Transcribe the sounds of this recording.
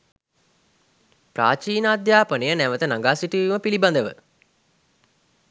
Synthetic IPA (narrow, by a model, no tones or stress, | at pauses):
pra̰ːt͡ʃiːnəːd̪jaːpənejənæʋət̪ənaŋɡaːsiʈiʋiʋiməpiliband̪əʋə̰